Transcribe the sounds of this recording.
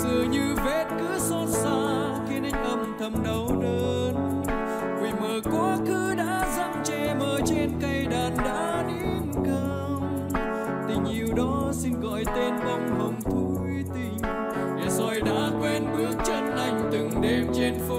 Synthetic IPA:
sɨ˨˩əɲɨ˧vɛ˧˥t̚kɨ̰˧˥əsɔ˧t̚saː˧ | xi˨˦ənʔa˧jŋ̟ʔə˨˧˩mt̪ʰə˨˧˩mɗə˨˦wɗəː˨˧n | kḭ˨˩məː˨˩kwaː˨˦kɨ˨˧˦ɗa̰ː˧˥za˧˥ŋt͡ɕɛ˧˩məː˧˩t͡ɕe˧nkə˧jɗaː˨˩nɗa̰ː˧˥ | ɗi˧nkə˧ | w | t̪ï˨˩ŋ̟ɲi˨˩əwɗɔ˨˦si˧nɣɔ̰˧˨jt̪e˧nvɔ˧wŋ͡mhə˨˧˩wŋ͡mt̪ʰu˧˦jt̪i˧˩ŋ | ɲa˨˩zɔ˨˧˩jɗa̰ː˧˥kwe˧nɓɨ˨˦ək̚t͡ɕə˧nna˧˩jŋ̟t̪ɨ˨˩ŋɗe˧mt͡ɕe˧nfu˧

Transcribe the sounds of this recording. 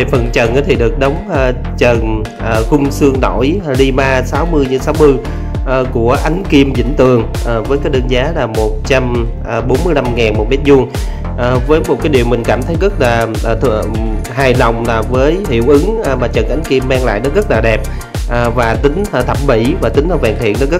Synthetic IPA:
e˨˩fə˨˩nt͡ɕə˨˩nʔaː˨˦t̪ʰi˨˩ɗɨ˨˩ək̚ɗə˨˦wŋ͡mʔə˨˩ | t͡ɕə˨˩n | ʔəː˨˩xʊ˧ŋ͡msɨ˧əŋno˧˩˨jɗi˧maː˧saː˨˦wmɨ˧əjɲɨ̰˧˥ŋsaː˨˦wmɨ˧ | ʔːku˧˩əʔa˨˦jŋ̟ki˧əmzḭ˧˥ŋ̟t̪ɨ˨˩əŋ | ʔəː˨˩vəː˨˦jkaː˨˦jɗəː˧nzaː˨˦laː˨˩mo˨˩t̚t͡ɕa˧mʔːɓo˨˦nmɨ˧əjla˧mŋaː˨˩nmo˨˩t̚mɛ˦˥t̚zu˧əŋ | ʔəː˨˩vəː˨˦jmo˨˩t̚kaː˨˦jɗi˨˩əwmï˨˩ŋ̟kaː˧˩mt̪ʰə˨˦jɣə˦˥t̚laː˨˩˨t̪ʰəɦaː˨˩jla˨˩wŋ͡mlaː˨˩vəː˨˦jhḭ˧˩əwʔɨ˨˦ŋʔmaː˨˩t͡ɕə˨˩nʔa˨˦jŋ̟ki˧əmːaː˧ŋla̰ː˧˨jnɔ˨˦ɣə˦˥t̚laː˨˩ɗɛ˨˩p̚ | ʔːvaː˨˩t̪ï˨˦ŋ̟ː˨˩t̪ʰə˧˩m̚ɓḭ˧˩vaː˨˩t̪ï˨˦ŋla˧˩wvɛː˨˩ŋt̪ʰḭ˧˨ənɔ˨˦ɣə˦˥

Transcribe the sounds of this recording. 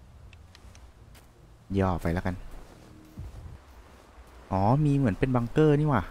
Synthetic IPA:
jɔː˧˩pa˧jla˦˥ka˧n | ʔɔː˩˦miː˧mɯ˩˦ənpe˧nba˧ŋkɤː˥˩niː˥˩waː˨˩

